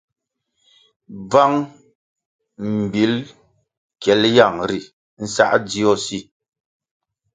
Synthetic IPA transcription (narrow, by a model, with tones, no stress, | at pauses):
b͡va˦ŋ | m̩˨bi˨˦l | kɛ˨˦lja˨ŋɾi˨ | n̩˦sa̰˦˨ʔd͡zi˦ɔ˦˨si˦˨